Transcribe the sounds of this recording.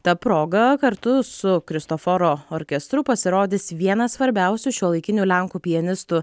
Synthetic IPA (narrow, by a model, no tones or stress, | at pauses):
t̪ɐpɾoːɡɐkɐɾt̪ʊsʊkɾʲɪst̪ofɔɾoːoːɾʲkʲɛst̪ɾʊpɐsʲɪɾoːd̪ʲɪsʋʲiɛnɐsʋɐɾʲbʲɛˑʊsʲuʃʲuɔlˠɐɪkʲɪnʲuːlʲɛŋkuːpʲɪjɛnʲɪst̪ʊ